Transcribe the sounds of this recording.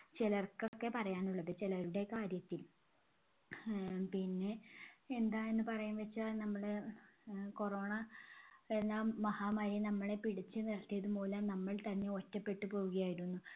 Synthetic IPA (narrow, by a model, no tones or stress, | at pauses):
t͡ɕelɐrkokːe̞pɐrɐjaːnuɭːɐðɨt͡ɕilɐɾuɽe̞kaːɾjɐt̪ːil | pinːe̞ːnd̪aːjenːɨpɐrɐjumʋɐt͡ɕːanɐmːɐɭ | ko̞ro̞ːɳɐ | enːɐmɐhaːmaːɾinɐmːɐɭe̞piɽit͡ɕːɨnirɐt̪ːijɐðupo̞ːlɐmnɐmːɐɭt̪ɐnːe̞otːɐpːe̞ʈːɨpo̞ːɣuɣɐjaːjiɾunːu